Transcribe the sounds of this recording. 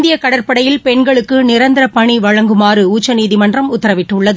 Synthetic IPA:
nd̪ɪjɐkɐɽɐrpɐɽɐjɪlpɛɳɡɐɭɯkːɯnɪɾɐnd̪ɐɾɐpɐɳiʋɐɻɐŋɡɯmaːɾɯuːt͡ʃːɐniːðɪmɐndrɐmʊt̪ːɐɾɐʋɪʈːɯɭːɐðɯ

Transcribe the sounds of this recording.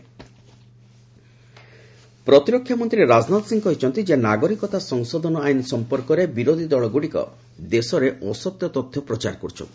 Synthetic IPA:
pɾɔt̪iɾɔkʰːjamɔnt̪ɾiɾeɾad͡ʒnat̪siŋkɔɦet͡ʃʰɔnt̪id͡ʒenaɡɔɾikɔt̪asɔŋsɔd̪ʱɔnɔajnsɔmpɔɾkɔɾebiɾod̪ʱid̪ɔɭɔɡuɽikɔ̰ | d̪esɔɾeʔɔsɔt̪jɔt̪ɔt̪ʰːjɔpɾɔt͡ʃa̰ɾkɔɾt͡ʃʰɔ̰nt̪i

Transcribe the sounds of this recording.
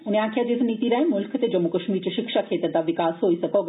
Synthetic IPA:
uniakʰjad͡ʑesnit̪iɾaemulkʰət̪ed͡ʑɔmokəʃmiɾt͡ɕʃikʃakʰet̪ɾed̪abikaːsojsɐkɔɡ

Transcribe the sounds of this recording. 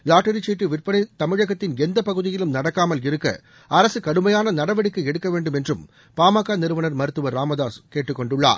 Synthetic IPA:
laːʈːɐɾɪt͡ʃːiːʈːɯʋɪrpɐnɪt̪ɐmɪɻɐɣɐt̪ːɪnɛnd̪ɐpɐɣɯðɪjɪlɯmnɐɽɐkːaːmɐlɪɾɯkːɐ̰ | ɐɾɐsɯkɐɽɯmɐjaːnɐnɐɽɐʋɐɽɪkːɯɛɽɯkːɐʋeːɳɖɯmɛndrɯm | paːmaːkːanɪɾɯʋɐnɐɾmɐɾɯt̪ːɯʋɐɾːaːmɐðaːskeːʈːrɯkːɔɳɖɯɭːa̰ːɾ

